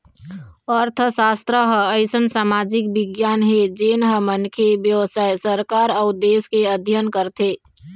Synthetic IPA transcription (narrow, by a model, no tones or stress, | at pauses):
ɔɾt̪ʰəsaːst̪ɾəɦəəɪsənsaːmad͡ʒik̚bɪɡjaːnɦed͡ʒeːnɦəmənkʰebjəwsaːesəɾkaːɾəʊd̪eːskeəd̪ʱjənkəɾt̪ʰe